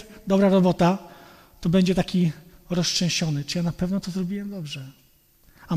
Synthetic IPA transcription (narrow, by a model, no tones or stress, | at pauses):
d̪ɔbɾaɾɔbɔt̪a | t̪ɔbɛɲd͡ʑɛt̪akʲiɾɔst͡ʂɛ̃w̃ɕɔnɘt͡ʂɨjanapɛvnɔt̪ɔzɾɔbʲiwɛmd̪ɔbʐɛ | a